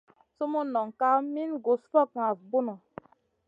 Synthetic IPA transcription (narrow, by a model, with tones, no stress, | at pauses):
so˦mu˦nɔ˨ŋka˦mi˦nɡo˨sfɔ˦˨k̚ŋa˨vbu˦nɔ˨